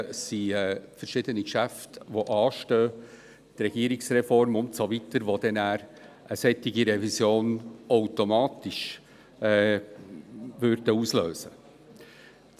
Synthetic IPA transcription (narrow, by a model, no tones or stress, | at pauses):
siɛːfəɾʃɪdənikʃæftʋoʔɑːʃtøː | t̪rɛɡiːəɾɪksrɛfɔɾmʊntsovitəɾʋod̪ɛnæːɾ | ʔəsɛtɪɡiɾɛvisjoːnowtomɑːtɪʃ | vʏrd̥əuːsløːsə